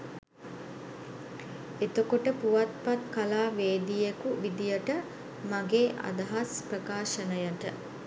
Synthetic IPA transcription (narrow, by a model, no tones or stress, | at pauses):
et̪okoʈəpuʋat̪̚pat̪kalaːʋeːd̪ijekuʋid̪ijəʈə | maɡeːʔa̰d̪ɐɦasprəkaːʃənəjəʈə